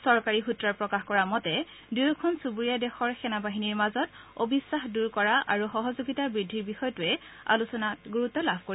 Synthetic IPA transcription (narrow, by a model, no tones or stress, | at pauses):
sɔɹkaɹixutɹaɹpɹɔkaxkɔɹamɔtɛ | dujkʰɔnsubuɹijadɛxɔɹxɛnabaɦiniɹmazɔt | obisːaxduɹkɔɹaʔaɹuxɔɦɔzoɡitabɹidʱːiɹbixɔjɔtuɛ | a̰lusɔnatɡuɹutːɔlabʱkoɹi